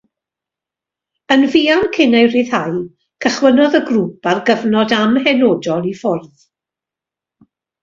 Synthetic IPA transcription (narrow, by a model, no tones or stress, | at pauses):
ənviːankʰɪnaɨriðhaj | kʰəχwənɔðəɡruːparɡəvnɔdamhɛnoːdɔlˠifʊrð